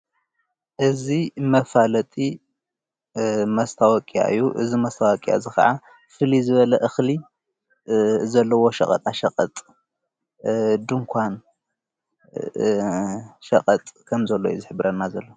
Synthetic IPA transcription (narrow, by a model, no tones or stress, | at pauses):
ʔɨzimɐfalɐt̪ʼi | mɐst̪ʰawɐkʼija̰ɨ̰jːuʔɨ̰zimɐst̪ʰawɐkʼija̰zɨxɐ̰ʕa | fɨlizɨβɐlɐʔɨxli | zɐlːɐwo̞ʃɐ̰χʼɐ̰t̪ʼaʃɐkʼɐt̪ʼ | d̪ɨŋkʰʷan | ʃɐkʼɐt̪ʼkʰɐmzɐlːo̰jṵzɨħɨβɾɐnːazɐlːo